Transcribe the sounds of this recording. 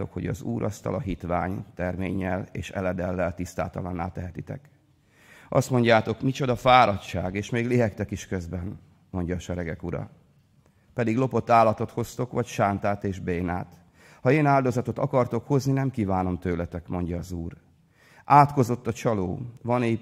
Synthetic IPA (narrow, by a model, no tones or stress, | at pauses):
o̞̰kho̞ɟɒ̰zuːɾʔɒ̰st̪ɒ̰lʔɒɦit̪ʋa̰ːɲt̪ɛrmeːɲːɛleːʃɛ̰lɛd̪ɛlːɛlt̪ist̪a̰ːt̪ɒlɒnːa̰ːlt̪ɛɦɛt̪it̪ɛ̰k | ʔɒst̪mo̞ɲɟaːt̪o̞kmit͡ʃo̞d̪ɒfaːɾɒtʃaːɡeːʃmeːɡleɦɛkt̪ɛkiʃkøzbɛn | mo̞ɲɟɒːʃɛɾɛɡɛkuɾɒ̰ | pɛd̪iɡlo̞po̞t̪ːaːlːɒt̪o̞t̪ho̞st̪o̞kʋɒcʃaːnt̪aːt̪eːʒbeːna̰ːt̪ | hɒeːnaːld̪o̞zɒt̪o̞t̪ɒkɒrt̪o̞kho̞zninɛmkiːvaːno̞mt̪øːlɛt̪ɛkmo̞ɲɟɒːzuːr | ʔaːt̪ko̞zo̞t̪ːɒt͡ʃɒlo̰ːvɒnɛ